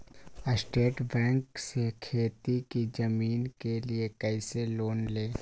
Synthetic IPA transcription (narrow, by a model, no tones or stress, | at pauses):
əsʈeːʈbɛ̃ːŋksekʰeːt̪ikid͡ʒɐmiːnkeliekɛɪseloːnleː